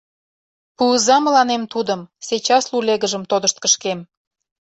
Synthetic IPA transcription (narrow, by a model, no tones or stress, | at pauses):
puəzɑməlɑnemt̪ud̪əmset͡ɕɑsluleɣəʒəmt̪od̪ə̆ʃt̪̚kəʃkem